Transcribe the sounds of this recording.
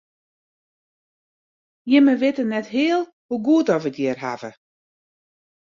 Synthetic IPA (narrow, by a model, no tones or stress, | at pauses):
jɪməʋɪtənɛtɦɪəlˠ | huɡuətɔʋətjɪːrɦa̰və